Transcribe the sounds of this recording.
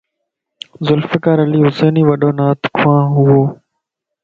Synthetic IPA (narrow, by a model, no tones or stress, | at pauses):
zʊlfɪkaːɾəliːɦʊseːniːʋəɗoːnaːt̪ʰkʰʊãːɦʊoː